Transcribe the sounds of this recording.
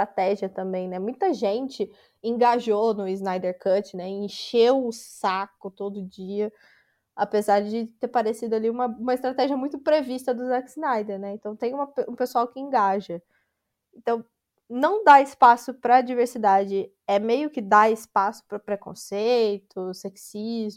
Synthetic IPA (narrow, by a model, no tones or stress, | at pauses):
st̪ɾat̪ɛʒiɐt̪ɐ̃mbẽj̃nɛmũj̃t̪ɐʒẽnt͡ʃɪ | ẽŋɡaʒonʊiznajd̪eɾkɐt͡ʃɪnɛẽʃewʊsakʊt̪od̪ʊd͡ʒiɐ | apezaɾd͡ʒɪt̪eɾpaɾesid̪ʊaliũmɐũmɐɪst̪ɾat̪ɛʒiɐmũj̃t̪ʊpɾevist̪ɐd̪ʊzakɪznajd̪eɾnɛẽnt̪ɐ̃w̃t̪ẽj̃ũmɐpũpesuawkɪẽɡaʒɐ | ẽt̪ɐ̃w̃ | nɐ̃w̃d̪aɪspasʊpɾɐd͡ʒiveɾsid̪ad͡ʒɪ | ɛmejʊkɪd̪aɪspasʊ̥pɾɐpɾekõ̰sejt̪ʊseksizʊ